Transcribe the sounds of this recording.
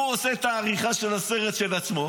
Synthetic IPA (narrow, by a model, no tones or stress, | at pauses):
uoset̪aːʁiχaʃelaseʁet̪ʃe̞lat͡smo̞